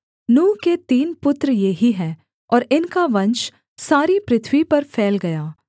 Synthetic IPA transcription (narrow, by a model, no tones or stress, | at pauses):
nũːket̪iːnpʊt̪ɾjeɦiɦɛ̃ː | ɔːɾɪnkaʋɐ̃nt͡ʃ | saːɾipɾɪt̪ʰwipɐɾfʰɛːlɡɐjaː